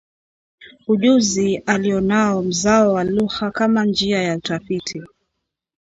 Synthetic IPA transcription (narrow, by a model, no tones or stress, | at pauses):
uʄuzialiɔnaɔm̩zaɔwaluxakamand͡ʒiajautafitʰi